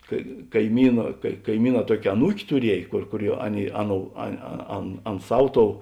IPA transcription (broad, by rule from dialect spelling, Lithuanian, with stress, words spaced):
kɐ kɐɪˈmʲiːnɐ kɐɪ kɐɪˈmʲiːˌnɑː ˈtuɔkʲeː ɐˈnuːkʲ tʊˈrʲiɛj kʊr kʊˈrʲuɔ ˈɑːˌnʲeːɪ ˈɑːˌnoːʊ ɐ ɐ ˈɐn ˈɐn ˈsɐw ˈtoːʊ